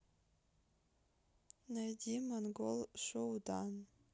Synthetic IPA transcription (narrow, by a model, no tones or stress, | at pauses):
najdʲimanɡolˠʂʷowdan